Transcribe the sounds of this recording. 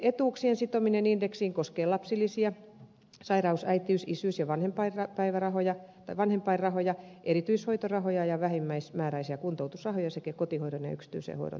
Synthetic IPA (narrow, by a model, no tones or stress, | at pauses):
et̪uːksiensit̪ominenindeksiːŋkoskeːlɑpsilːisiɑ | sɑirɑusæit̪iysisysjɑʋɑnhempɑirɑpæiʋærɑhojɑt̪ɑiʋɑnhempɑirɑhojɑʔeɾit̪yishoit̪orɑhojɑjɑʋæhimːæismæːɾæisiɑkunt̪out̪usrɑhojɑsekækot̪ihoiɾonjɑ̰yksi̥t̪y̰ːˑsḛːho̰iɾo̰